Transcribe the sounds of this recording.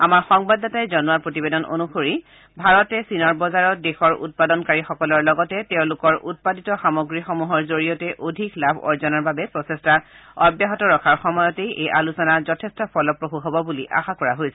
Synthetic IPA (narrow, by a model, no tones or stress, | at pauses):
amaɹxɔŋbadatajzɔnuaɹpɹotibedɔno̰nuxoɹi | bʱaɹɔtɛsinɔɹbɔzaɹɔdexɔɹṵt̚padɔnkaɹixɔkɔlɔɹlɔɡɔtɛtɛʊ̃lʊkɔɹʔut̚paditɔxamoɡɹixɔmuɦɔɹzoɹijɔtɛʔodʱiklabʱɔ̰ɹzɔnaɹbabɛpɹɔsestaɔbjaɦɔtɔɹɔkʰaɹxɔmɔjɔtejʔejʔalusɔnazɔtʰestɔpʰɔlɔpɹoɦuɦɔbɔbuliʔa̰xakɔɹaɦojsɛ